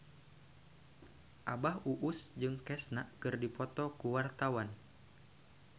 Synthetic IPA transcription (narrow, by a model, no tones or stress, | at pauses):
ʔabaɦuʔusd͡ʒɨŋkɛsnaʔkɨrdipɔt̪ɔkuwart̪awan